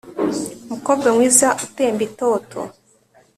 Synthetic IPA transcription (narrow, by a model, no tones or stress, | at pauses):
umukob̚ɡamŋwiːzaʔuteːmbitotʰo̰